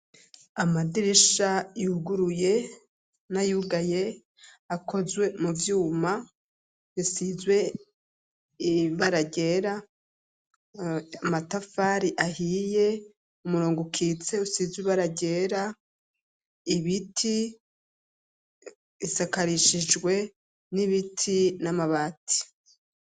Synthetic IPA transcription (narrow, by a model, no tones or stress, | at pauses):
amadiɾiʃajuɡuɾuje̞ | najuɡaje̞ | ako̞zwe̞muvjuːma | jisizwe̞ | iβaɾaɟe̞ɾa | amatafaɾiʔahije̞ | umuɾoːŋɡukʰiːt͡se̞usizwiβaɾaɟe̞ɾa | iβitʰi | isakaɾiʃid͡ʒɡwe̞ | niβitʰinamaβaːtʰi̥